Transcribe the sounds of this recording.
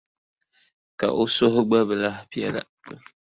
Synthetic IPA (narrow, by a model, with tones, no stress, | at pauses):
ka̰˨ʔo˦so˦ɦʊ˦ɡ͡ba˦βɨ˨la˦pi˦ɛ˦la̰˨˦